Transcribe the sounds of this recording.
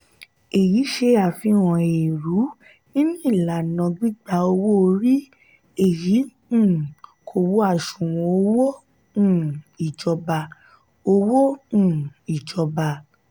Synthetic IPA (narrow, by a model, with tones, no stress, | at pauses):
e˨ji˨˦ʃe˧a˨fĩ˧wɔ̃˨e˨ɾu˨˦ | nĩ˦nĩ˦i˦˨la˨nɔ̃˨˧ɡ͡bi˦ɡ͡ba˧o˧wo˦o˧ɾi˦ | e˦˨jĩ˨˦˨ | kʰo˧˨wo˦a˦˨ʃũ˨wɔ̃˧o˧wõ˦˨ | i˨d͡ʒɔ˧ba˧ | o˧wõ˦˨ | i˨d͡ʒɔ˧ba˧